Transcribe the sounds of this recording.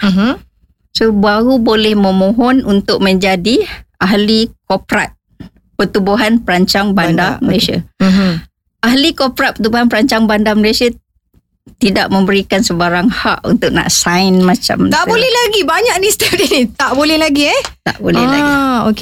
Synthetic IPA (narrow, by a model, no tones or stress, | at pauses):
mm | sobaɣubolɛhmə̃mõɦɔnunt̪ʊk̚mə̃ɲd͡ʒadiaɦlikopɾa̰t̪̚ | pət̪ubuɦanpəɾaɲt͡ʃaŋbandaməlasia̰ | aɦlikopɾat̪̚pət̪ubuɦanpəɾaɲt͡ʃaŋbandaməlasia | t̪idaʔmə̃mbəɾikansəbaɾaŋha̰ʔṵnt̪ʊʔ̚na̰ʔsajnmat͡ʃa̰mt̪aʔbolɛhlaɡibaɲaʔ̚nist̪əfdinit̪aʔbolɛhlaɡiɛt̪a̰ʔbo̰lɛ̰la̰ɡok